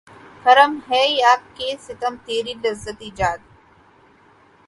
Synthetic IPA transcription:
xɐɾəmɦɛːjaːp̚kesɪt̪əmt̪eːɾilɐzːət̪id͡ʒaːd̪̚

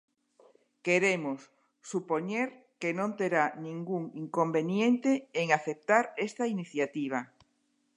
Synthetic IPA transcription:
keɾemosː | upoɲeɾ | kenõnt̪eɾanĩŋɡuŋiŋkombenjent̪eːŋaθep̚t̪aɾest̪ainiθjat̪iβ̞a

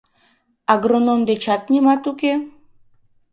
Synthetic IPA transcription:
aɡɾonomd̪et͡ʃat̪̚ɲʲimat̪uke

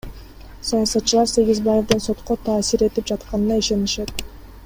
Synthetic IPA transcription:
sojɑsɑt̪t͡ʃːɯlˠɑɾse̞ɡizbaje̞vd̪ɯnso̞t̪qot̪ʰɑːsiɾe̞t̪ip̚d͡ʒɑt̪qɑnɯnɑiʃe̞niʃe̞t̪̚

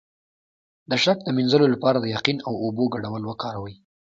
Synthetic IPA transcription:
d̪əʃak̚d̪əminzəlolapɑɾad̪əjaqinawoboɡaɽawəlwəkɑɾawəj

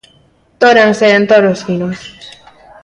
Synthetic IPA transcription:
t̪oɾaŋseent̪oɾosfinos

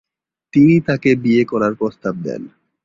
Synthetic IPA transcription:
t̪init̪akebiekɔɾaɾpɾost̪ab̚d̪ɛ̰n

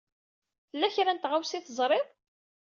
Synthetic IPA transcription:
θəlːæçɾænt̪ʁawsiθəzˤɾˤɪðˤ

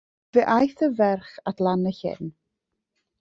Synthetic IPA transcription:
veʔajθəvɛrχadlˠanəçɪ̰n

